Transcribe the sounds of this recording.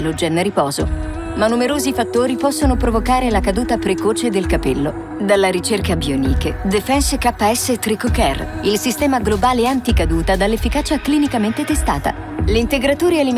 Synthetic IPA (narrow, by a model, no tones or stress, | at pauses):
lod͡ʒɛnːeɾipɔːzo̰ | manːumeɾoːzifat̪ːoːɾipɔsːonopɾovokaːɾelakad̪uːt̪apɾekoːt͡ʃed̪elkapɛlːo | d̪alːaɾit͡ʃerkabionḭːked̪efɛnskapːaɛsːet̪ːɾikokɛrilsist̪ɛːmaɡlobaːleant̪ikad̪uːt̪ad̪alːefːikaːt͡ʃaklinikament̪et̪est̪aːt̪a̰ | leint̪eɡɾat̪oːɾealim